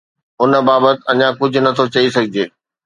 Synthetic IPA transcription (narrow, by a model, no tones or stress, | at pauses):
ʊn̆baːbət̪ɪɐɲãkʊd͡ʑʱʊ̆nɐt̪ʰot͡ɕɐisɐɡʱɪd͡ʑeː